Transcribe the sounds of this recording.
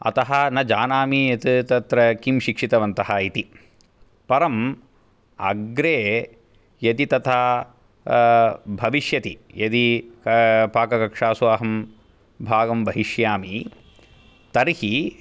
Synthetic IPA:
ɐ̰t̪ɐɦɐnɐd͡ʒaːnaːmijɐt̪it̪ɐt̪ɾɐkimʃikʂit̪ɐʋɐnt̪ɐɦɐit̪i | pɐɾɐm | ɐ̰ɡɾeː | jɐt̪it̪ɐt̪ʰa | bʱɐʋiʃjɐt̪ijɐt̪i | paːkɐkɐkʂaːsuɐɦɐm | bʱaːɡɐmʋɐɦiʃjaːmi | t̪ɐɾhi

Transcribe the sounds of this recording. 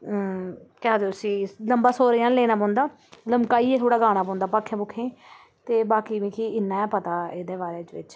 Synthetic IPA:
kɛaːd̪eːʊsĩːləmbaːsoːɾjãːnleːnaːpɔ̃ːnd̪aː | ləmkaːiːɛːt̪ʰoːɽaːɡaːnaːpɔ̃ːnd̪aːpaːkʰːẽːbʊkʰẽː | t̪eːbaːkiːʋĩːkʰiːɪnːãːɛ̃ːpət̪aːeːd̪eːbaːɾeːt͡ʃʋɪ̰t͡ʃ

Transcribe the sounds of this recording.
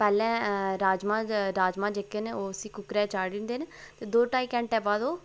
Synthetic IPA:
pɛːlɛ̃ːɾaːd͡ʒmãːɾaːd͡ʒmãːd͡ʒeːkeːneːoːəsĩːkʊkɾɛːt͡ʃaːɖɪ̃nd̪eːnet̪eːd̪oːʈaːiːkɛ̃ːɳʈɛːbãːd̪oː

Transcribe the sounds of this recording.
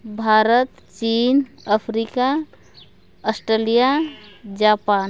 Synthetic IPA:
bʱaːɾət̪ | t͡ʃiːn | əpʰɾika | əsʈɾelijad͡ʒapaːn

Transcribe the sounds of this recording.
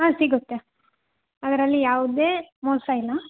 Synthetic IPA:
ɦaːsiɡut̪ːe | ɐd̪ɐɾɐlːijaːʋud̪eːmɔːsɐilːɐ

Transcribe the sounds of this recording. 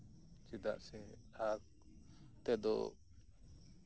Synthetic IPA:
t͡ʃid̪a̰ʔsɛ | ak | t̪ɛd̪ɔ̰

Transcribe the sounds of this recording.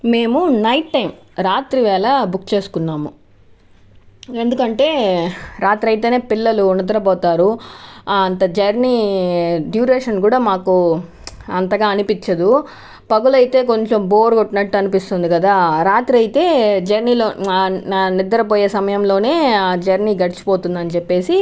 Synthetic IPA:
me̞ːmunɐjʈʈːɐjm | ɾaːt̪ɾiʋɛːlɐbukːt͡ʃe̞ːsu̥kunːaːmu | e̞nd̪ukɐɳʈe̞ːɾaːt̪ɾɐjt̪e̞ːne̞ːpilːɐluːnɐd̪ɐɾɐpɔːt̪aːɾu | ɐnt̪ɐd͡ʒɐɾni | ɖjuːɾeːʂɐnkuːɽaːmaːku | ɐnt̪ɐɡaːɐnipit͡ʃːɐd̪u | pɐɡulɐjt̪e̞ːk̬o̞ɲt͡ʃo̞mboːɾɡoʈːinɐʈːuɐnipist̪und̪iɡɐd̪aːɾaːt̪ɾiɐjt̪e̞ːd͡ʒɐɾniːloː | nid̪ːɐɾɐp̬oːje̞ːsɐmɐjɐmlo̞ːne̞ːd͡ʒɐɾniːɡɐɽit͡ʃi̥po̞ːt̪und̪ɐnit͡ʃepːe̞ːsi

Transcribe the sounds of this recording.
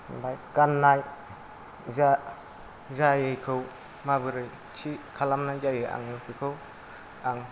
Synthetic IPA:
bajkanːaj | za | zajɯjkʰɯw | mabɯɾɯj | t͡ʃʰikʰalamnajzajɯʔa̰ŋɯpʰɯjkʰɯw | aŋ

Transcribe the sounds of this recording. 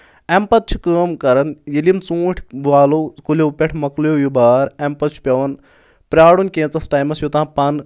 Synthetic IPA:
ɛmpɐt̪̚t͡ʃʰu̥kəːmkɐɾɐnjelimt͡sũːʈʰʋaːlokulʲopʲeʈʰmɐklujojubaːɾɛmpɐt̪̚t͡ʃʰu̥pʲjɐʋɐn | pɾʲaːɽunkʲẽːt͡sɐsʈaːjmɐsjut̪ãːpɐn

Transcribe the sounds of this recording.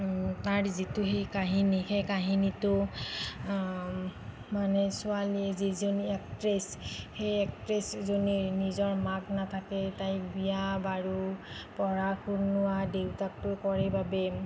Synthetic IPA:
taɹzitʊxejkaɦinixejkaɦinitʊ | manɛsʊaliɛzizoniɛk̚tɹesxejɛk̚tɹeszoninizɔɹmaknatʰakɛtajbijabaɹu | pɔɹakʰuɹnʊwadewtatʊkɔɹɛbabɛ

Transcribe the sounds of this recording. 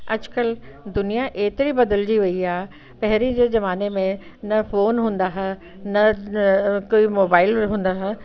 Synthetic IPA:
ɐ̰d͡ʑkəld̪ʊnijaʔeːt̪ɪɾibɐd̪əld͡ʑiʋɐiaː | pɐɦɪɾid͡ʑeːzɐʋaːnemẽ | nɐfoːnɦũːn̆d̪aːɦa | nɐ | kuːimoːbaːɪlɦũːn̆d̪aːɦa

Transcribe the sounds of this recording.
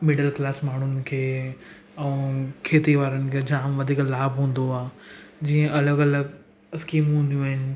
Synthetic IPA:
mɪɖəlklaːsmaːɳ̤ʊnɪ̆kʰeː | ɛ̃ːkʰeːt̪iʋaːɾənɪ̆kʰeːd͡ʑaːmʋɐd̪ʱiːklaːbʱɦũːn̆d̪oaːd͡ʑiːə̃ʔɐləɡɐləɡ | skiːmɦũnd̪ijũɦɪnɪ̆

